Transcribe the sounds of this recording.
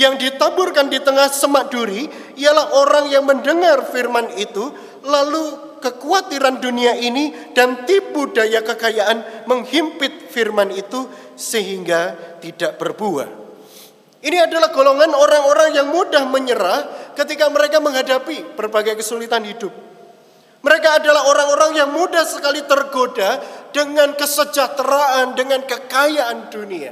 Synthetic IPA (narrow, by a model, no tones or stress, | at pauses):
jaŋdit̪abʊrkandit̪əŋahsəmaʔd̥uɾi | ijalahʔoɾaŋjaŋməndəŋarfirmanit̪u | lalu | kəkuat̪iɾanduniaʔinid̥ant̪ibudajakəkajaʔanməŋhimpɪt̪̚firmanit̪u | səɦiŋɡat̪idaʔb̥ərbua̰ | iniadalahɡ̥oloŋanoɾaŋoɾaŋjaŋmudahməɲəɾahkət̪ikaməɾekaməŋɦadapib̥ərbaɡajkəsulit̪anhidʊp̚ | məɾekaːdalaɦoɾaɦŋoɾaŋjaŋmudahsəkalit̪ərɡodad̥əŋankəsəd͡ʒat̪ɾaandəŋankəkajaʔandunia̰